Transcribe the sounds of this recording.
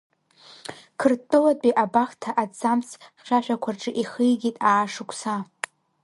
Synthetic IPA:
kʰɨrtʼːɨwadʼiʔabaχtʰaʔat͡samt͡sʰχʲʃʷᶣaʃʷᶣakʷʰarʈ͡ʂʼɨʔiχɨjɡʲitʼaːʂɨkʷʰʼsa

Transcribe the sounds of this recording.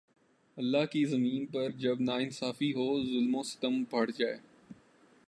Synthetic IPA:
ɐlːaːɦkizɐmiːnpɐɾd͡ʒɐbnaːɪnsaːfiɦoːzʊlmõːsɐ̥t̪əmbʱɐɽ̤d͡ʒaːeː

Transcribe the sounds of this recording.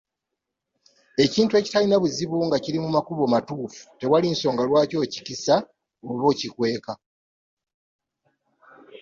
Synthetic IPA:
e̞ciːntue̞ːci̥talinaβuziβuŋɡaciɾimumakuβo̞matuːfu̥te̞walinso̞ːŋɡalwaːco̞ːcicisa | oβo̞ːcikwe̞ːka

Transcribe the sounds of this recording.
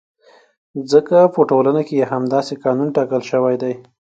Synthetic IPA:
zəkapəʈolanakejaɦamd̪ɑsekɑnunʈɑkəlʃəwajd̪aj

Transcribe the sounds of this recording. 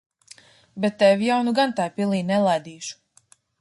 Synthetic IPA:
bɛt̪ːɛvjawnuɡant̪ajpilˠiːnɛlˠajd̪iːʃu̥

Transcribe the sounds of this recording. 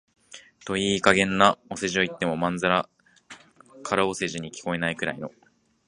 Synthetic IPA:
t̪o̞iːkaɡẽ̞nːao̞se̞ʑio̞it̪ːe̞mo̞mãnzaɾa | kʰaɾaose̞ʑiɲ̟ikʲi̥ko̞e̞naikɯ̟ɾa̰ino̞

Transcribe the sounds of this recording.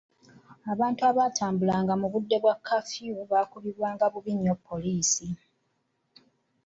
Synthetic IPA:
aβaːntuaβaːtʰaːmbulaːŋɡamuβudːe̞βwakʰːafjuβaːkuβiβwaːŋɡaβuβiɲːopːo̞liːsi

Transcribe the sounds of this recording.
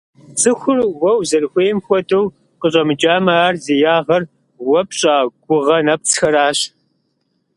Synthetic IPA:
t͡sʼɨxʷʊrwɐwzɐrxʷeːmxʷɔdɐw | qəɕʼɐmɨt͡ʃʼaːmɐaːrzijaːʁɐr | wɐpʰɕʼaːɡ̥ʷʊʁɐnɐp̚t͡sxɐɾaːɕ

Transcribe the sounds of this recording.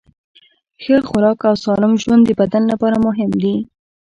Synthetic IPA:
xəɾxʊɾɑkawsɑlɪmʒwand̪ːəbad̪anlapɑɾamʊɦɪmd̪i

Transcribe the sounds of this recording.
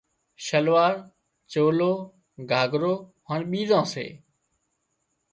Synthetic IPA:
ʃəlʋaːɾ | t͡ʃoːloː | ɡʱaːɡʱɾoːɦəɳɓiːzãːsḛː

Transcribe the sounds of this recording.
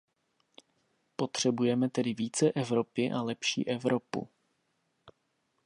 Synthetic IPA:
po̞t̪r̝̥ɛbujɛmɛt̪ɛdɪviːt͡sɛʔɛvɾo̞pɪʔalɛpʃḭːʔɛvɾopṵ

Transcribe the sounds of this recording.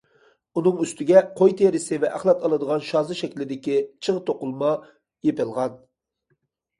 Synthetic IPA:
unɨŋyst̪ʰɪɡʲɛqʰojt̪ʰeɾɪsɪvɛʔæχlˠɑt̪ɑlˠɨd̪əʁɑnʃɑːzɨʃɛkʲlɪd̪ɪkʲit͡ʃʰəʁt̪ʰoqʊlˠmɑ | jepɨlˠʁɑn

